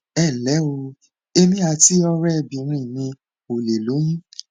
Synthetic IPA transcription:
ɛ˦˨lɛ˨˦o˧ | e˧mĩ˦a˧ti˦ɔ˧ɾɛ˦˧˨bĩ˨˦ɾ̃ĩ˦˨nĩ˧ | o˨le˨lo˨˦jĩ˦

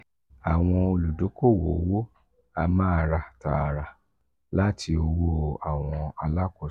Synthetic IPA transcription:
a˨w̃ɔ̃˧o˧lu˨do˨˦ko˦˨wo˨˦wo˦ | a˧mã˦a˧ɾa˧ta̰˨ɾa˧ | la˦tʰi˧o˧wo˦a˨w̃ɔ̃˧a˧la˦kɔ˦˨

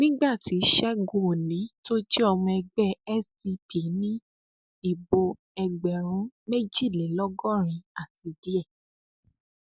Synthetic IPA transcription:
nĩ˦ɡ͡ba˦˨ti˨˦ʃɛ˦ɡo˦˨lĩ˨˦to˦d͡ʒe˦ɔ˧mũ˧ɛ˧ɡ͡bɛ˦˨ɛ˦si˧pi˨˦nĩ˦ | i˦˨bo˧ | ɛ˧ɡ͡bɛ˨ɾ̃ũ˨˦me˦d͡ʒi˦˨le˨˦lɔ˦ɡɔ˦˨ɾ̃ĩ˧a˦˨ti˧di˦ɛ˦˨

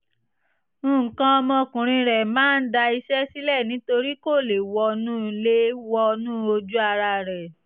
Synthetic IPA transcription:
kã˦˧ɔ˧mɔ̃˧kũ˨ɾ̃ĩ˧ɾɛ˨mãː˦n̩˦da˧i˧ʃɛ˦si˦lɛ˦˨nĩ˨˦to˧ɾi˦ko˦˨le˨wɔ˧nũː˦le˦wɔ˧nũː˦o˧d͡ʒu˦a˧ɾa˧ɾɛ˨

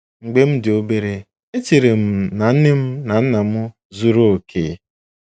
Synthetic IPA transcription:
ŋ͡m̩˨ɡ͡be˦m̩˦dɪ˨o˦be˦ɾe˨ | e˦t͡ʃi˨ɾe˨m̩˨na˨n̩˦nɪ˦m̩˦na˨n̩˦na˨mʊ˦ | zu˦ɾo˦o˨kʰe˦

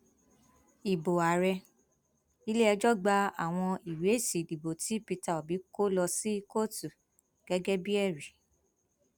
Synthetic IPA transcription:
i˨bo˨a˨ɾɛ˧ | i˧le˦ɛ˧d͡ʒɔ˦ɡ͡ba˧˦a̰˦˨w̃ɔ̃˧i˨ɾe˨˦˨si˨di˨bo˨tʰi˨˦pi˧ta˦˨o˨bi˨˦ko˦lɔ˧si˦ko˦˨tu˨ | ɡ̥ɛ˨˦ɡɛ˦bi˦ɛ˦˨ɾi˨

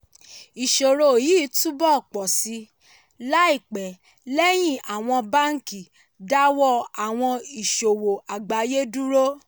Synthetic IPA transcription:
i˨ʃo˨ɾo˨jiː˦tu˦bɔ˦˨k͡pɔ˨si˧ | la˦i˦˨k͡pɛ˨ | lɛ˦j̃ĩ˦˨ʔa˨w̃ɔ̃˧ba˦ŋ̩˦ki˨ | da˦wɔ˦˨a˨w̃ɔ̃˧i˨ʃo˨wo˨ʔa˨ɡ͡ba˨˦je˦du˦ɾo˦

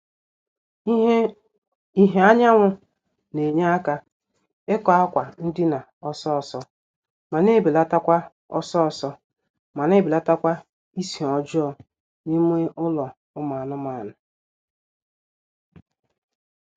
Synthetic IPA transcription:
i˦ɦe˦a˦ɲa˦ŋʷʊ˦ | ne˨ɲe˦a˦ka˦ | e˦kɔ˨a˦kʷa˨n̩˦dɪ˦na˨ | ɔ˦sɔ˦ɔ˨sɔ˦ | ma˨ne˦˨bi˨la˦ta˦kʷa˦ | ɔ˦sɔ˦ɔ˨sɔ˦ | ma˨ne˦bi˨la˦ta˦kʷa˦ | i˦si˨ɔ˨d͡ʒʊ˦ɔ˨ | ni˦m˦e˦ʔʊ˦lɔ˨ | ʊ˦ma˨nʊ˦ma˨nʊ˨

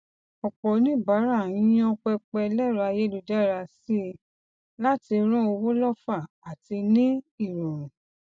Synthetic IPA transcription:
ɔ˨k͡pɔ˨˦nĩ˦˨ba˨˦ɾa˦˨ĩ˦j̃ɔ̃˧˦k͡pɛ˧k͡pɛ˧lɛ˦˨ɾɔ˧a˧je˦lu˨˧da˦˨ɾa˧si˦˧ | la˦ti˧ɾ̃ɔ̃˦o˧wo˦lɔ˦˨fa˦˨ | a˨ti˧nĩ˦i˦˨ɾɔ̃˨ɾ̃ũ˨

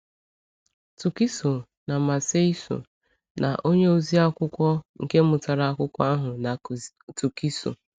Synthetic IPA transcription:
tu˨ki˦so˨ | na˨ma˨se˦i˦so̰˨ | nʔa̰˨ʔo˦ɲe˦o˦zi˦a˦kʷʊ˦kʷɔ˦ŋ̩˨ke˦mʊ˨ta˨ɾa˨a˦kʷʊ˦kʷɔ˦a˦ɦʊ˨na˨ | tu˨ki˦so̰˨

